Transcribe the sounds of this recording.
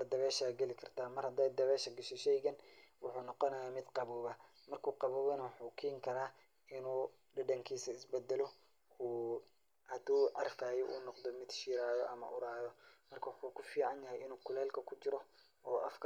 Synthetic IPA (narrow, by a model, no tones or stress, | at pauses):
ɐd̪ɐβɛːʃaːɡɛlɪkʰɐrt̪ʰaːmɐrhɐd̪ɛjd̪ɐβɛːʃɐɡɐʃɛʃɛjɣɐnwʊħuːnɔqɔnɐjaːmɪd̪qɑβuːβɐ | mɐrkʰuːqɑβuːβɐnɐwʊħuːkʰiːŋkʰɐɾaː | ɪnuː | ɖɐɖɐŋkʰiːsɐɪsbɛd̪ɛlɔ | uː | hɐd̪uːʕɑ̰rfaːjɛʔṵːnɔqd̪ɔmɪd̪ʃiːɾaːjɔʔɐ̰mɐ̰ʔʊɾaːjɔmɐrkʰɐwʊħuːkʰʊfiːʕɑnjɐɦɛjɪnuːkʰʊlɛːlkʰɐkʰʊt͡ʃɪɾɔ | ɔːʔɐfkʰ